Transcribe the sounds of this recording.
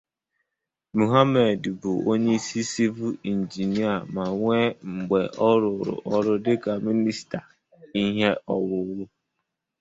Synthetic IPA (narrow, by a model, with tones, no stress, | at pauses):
mu˨ɦa˦me˨dbʊ˨o˦ɲe˦i˦si˦si˦vu˦i˨n̩˨d͡ʒi˨ni˦a˨ma˨ŋʷe˦ŋ͡m̩˨ɡ͡be˨ʔɔ˦ɾʊ˨ɾʊ̰˨ʔɔ˦ɾʊ˦dɪ˦ka˨mi˦ni˦sta˨ | i˦ɦe˦ʔɔ˨wʊ˦wʊ˦